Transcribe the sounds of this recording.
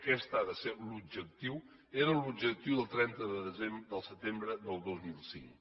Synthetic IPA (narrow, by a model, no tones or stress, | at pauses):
kɛst̪aðəselub̚d͡ʒək̚t̪iw | eɾəlubd͡ʒək̚t̪iwðəlˠt̪ɾɛnt̪əðəðəzemd̪əlˠsət̪embɾəd̪əlˠd̪ɔzmilˠsḭŋ